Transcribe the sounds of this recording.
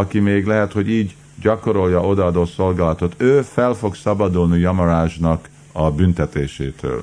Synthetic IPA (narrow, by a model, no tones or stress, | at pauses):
ɒkimeːɡlɛɦɛt̪ho̞ɟiːɟ | ɟɒko̞ɾo̞ljɒʔo̞d̪ɒɒd̪oso̞lɡaːlɒt̪o̞t̪øːfɛlfo̞ksɒbɒd̪ulnijɒmoɾaːʒnɒk | ɒbynt̪ɛt̪eːʃḛːt̪ø̰ːl